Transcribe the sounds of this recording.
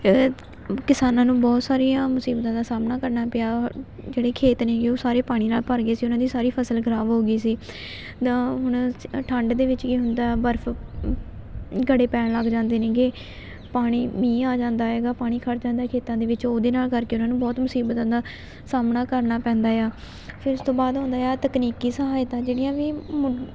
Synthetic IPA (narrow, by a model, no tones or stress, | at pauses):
kɪsaːnãːnũːbɔːt̪saːɾijãːmʊsiːbt̪ãːd̪aːsaːmnaːkəɾnaːpɪaː | d͡ʒeːɽeːkʰeːt̪neːɡeoːsaːɾeːpaːɽ̃iːnaːlpəɾɡeːsiːʊnãːd̪iːsaːɾiːpʰəsəlɡʱəɾaːʋɦoːɡiːsiː | t̪ãːɦʊɳ̃ʈʰəɳɖd̪eːʋɪt͡ʃkiːɦʊnd̪aːbəɾfʰ | ɡəɽeːpɛːnləɡd͡ʒãːnd̪eːnẽːɡeː | paːɽ̃iːmĩːaːd͡ʒãːnd̪aːɦɛːɡaːpaːɽ̃iːkʰəɾd͡ʒãːnd̪aːkʰeːt̪ãːd̪eːʋɪt͡ʃoːd̪eːnaːlkəɾkeːʊnãːnũːbɔːt̪mʊsiːbət̪ãːd̪aː | saːmnaːkəɾnaːpɛ̃ːnd̪aːjaː | pʰɪɾʊst̪õːbaːd̪ɦʊ̃ːnd̪aːjaːt̪əkniːkiːsəɦaːɪt̪ãːd͡ʒeːɽijãːʋiːm